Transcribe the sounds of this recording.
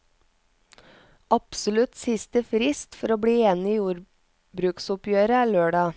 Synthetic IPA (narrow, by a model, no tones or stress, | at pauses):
ʔɑpsʊlʉt̪sɪst̪əfɾɪst̪fɔɾoːbɽiːeːnɪiːjuːɾ | bɾʉːksʊpjøːɾəæːɭøːɖɑː